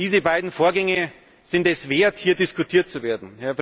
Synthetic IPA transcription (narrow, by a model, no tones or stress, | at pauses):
iːzəbaɪdn̩foːɐɡɛŋə | z̥ɪntɛsv̥eːɐthiːɐdɪskutʰiːɐtt͡suveːɐdn̩hɛɐp